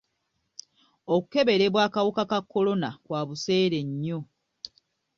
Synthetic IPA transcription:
oku̥ke̞βe̞ɾe̞βwaːkawukakakːo̞lo̞nakwaːβuse̞ːɾe̞ɲːo̞

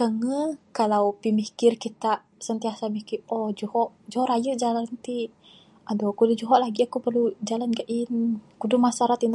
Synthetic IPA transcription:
kəŋəkalawpimikɪrkit̪aʔ | sənt̪iasamikɪɔd͡ʒuhɔʔd͡ʒuhɔʔɾajəʔd͡ʒalant̪i | ʔadɔkudəd͡ʒuɦɔʔlaɡiakupərlud͡ʒalanɡaʔinkudumasaɾat̪in

